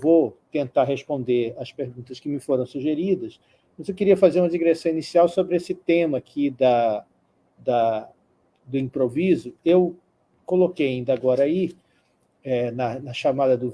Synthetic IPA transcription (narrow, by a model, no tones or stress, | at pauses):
vot̪ẽnt̪aɾɦespõnd̪eɾɐspeɾɡũnt̪ɐskɪmɪfoɾɐ̃w̃suʒeɾid̪ɐs | mɐzewkɪɾiɐfazeɾũmɐd͡ʒiɡɾesɐ̃w̃inisiawsobɾɪesɪt̪ẽmɐːkʰid̪ɐ | d̪ɐ | d̪ʊĩpɾovizʊew | kolokejaĩnd̪ɐaɡɔɾɐai | ɛnɐnɐʃamad̪ɐd̪ʊ